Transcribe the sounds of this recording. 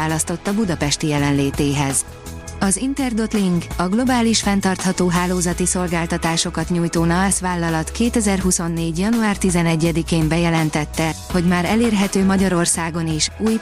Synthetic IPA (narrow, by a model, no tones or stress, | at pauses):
aːlɒst̪o̞t̪ːɒbud̪ɒpɛʃt̪ijɛlɛnleːt̪eːɦɛz | ɒzint̪ɛrd̪o̞t̪liŋɡɒɡlo̞baːliʃfɛnt̪ɒrt̪hɒt̪oːɦaːloːzɒt̪iso̞lɡaːlt̪ɒt̪aːʃo̞kɒt̪ɲuːjt̪oːnɒasʋaːlːɒlɒt̪keːt̪ɛzɛrɦuso̞nːeːɟjɒnuaːrt̪izɛnɛɟːɛd̪ikeːmbɛjɛlɛnt̪ɛt̪ːɛho̞ɟmaːɾɛleːrɦɛt̪øːmɒɟɒɾo̞rsaːɡo̞niʃuːj